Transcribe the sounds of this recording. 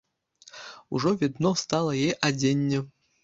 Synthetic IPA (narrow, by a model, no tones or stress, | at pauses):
ṵʐɔvʲid̪nɔst̪ɑlˠɐjɛʔad͡zʲenʲːɛ